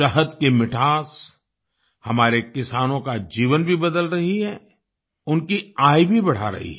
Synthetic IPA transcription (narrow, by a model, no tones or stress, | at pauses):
ɐɦəd̪kemɪʈʰaːs | hɐmaːɾekɪsaːnõkad͡ʒiːʋənbʱibɐd̪əlɾɐɦiɦɛː | ʊnkiaːibʱibɐɽ̤a̰ɾɐ̰ɦḭɦɛ